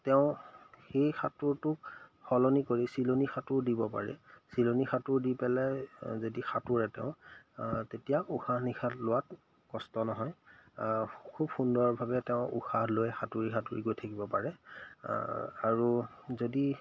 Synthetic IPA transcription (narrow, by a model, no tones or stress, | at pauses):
tɛʊ̃xejxa̰tʊɹtʊk̚xɔlɔnikoɹisilonixatʊɹdibɔpa̰ɹɛ̰silonixatʊɹdipɛlɛzodixatuɹɛtɛʊ̃ | tetijauxanixʰatlʊwat̚ | kɔstɔnɔɦɔj | kʰubxundɔɔɹbʱabɛtɛʊ̃ʔṵxaɦlojxatuɹixatuɹiɡojtʰakibɔpaɹɛ | a̰ɹu | zodi